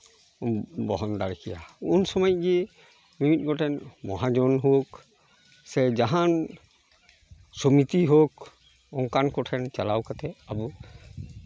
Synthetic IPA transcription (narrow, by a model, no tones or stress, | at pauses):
bɔɦɔnd̪aɹkʰija̰unsɔmajɡi | mimit̚ɡɔtʰɛnmɔɦad͡ʒɔnɦok | sɛd͡ʒaɦan | sɔmit̪iɦok | ɔŋkankɔtʰɛnt͡ʃalawkat̪ʰɛabu